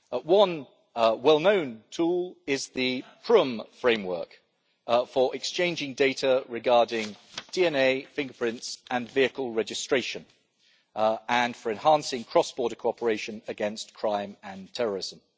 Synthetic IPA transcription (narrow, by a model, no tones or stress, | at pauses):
wʌ̃n | wɛlˠnə̃ʊ̃ntʰuːlɪzðəpʰɹ̥ʊ̃mfɹẽɪ̃mwɜ̰ˑk | fəɹʔɪkst͡ʃʰẽɪ̃nd͡ʒɪ̃ŋdeɪtəɹɪɡɑːdɪ̃ŋd̥iɛneɪfɪ̃ŋɡəpʰɹ̥ɪ̃ntsʔə̃nviəkəlˠɹɛd͡ʒɪstɹ̥eɪʃə̃n | ə̃nfəɹɨ̃nhɑ̃ˑnsɪ̃ŋkʰɹ̥ɒsb̥ɔːɾəkʰoʊɒpʰəɹeɪʃə̃nəɡɛ̃nskʰɹ̥ãɪ̃mə̃ntʰɛɹəɹɪz̥ə̃m